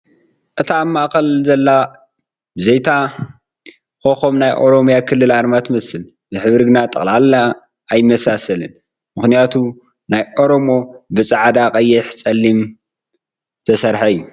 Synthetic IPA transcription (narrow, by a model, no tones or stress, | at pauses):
ʔɨt̪ʰaːmːaʔkɐlzɐlːa | bɨzejt̪ʰa | xoxomnajʔo̞ɾo̞mjakʰɨlːɨlaɾmat̪ʰmɐsɨl | bɨħɨβɾɨɡnat̪ʼɐ̰χʼlala | ʔajɪmɐsasɐlɨn | mɨxnijat̪ʰu | najʔo̞ɾo̞mo̞bɨt͡sʼaʕd̪aqʼɐjːɪħt͡sʼɐlːim | t̪ʰɐsɐɾħaɨjːu